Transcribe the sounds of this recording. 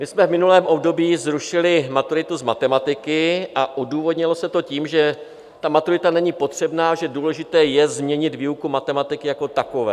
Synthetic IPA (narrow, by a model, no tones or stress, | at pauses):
mɪsmɛvmɪnulɛːmʔo̞bdo̞biːzɾuʃɪlɪmat̪uɾɪt̪uzmat̪ɛmat̪ɪkɪʔaʔoduːvo̞dɲɪlo̞sɛt̪o̞ciːmʒɛ | t̪amat̪uɾɪt̪anɛɲipo̞t̪r̝̥ɛbnaːʒɛduːlɛʒɪt̪ɛːjɛzmɲɛɲɪd̪viːukumat̪ɛmat̪ɪkɪjako̞t̪ako̞vɛ̰ː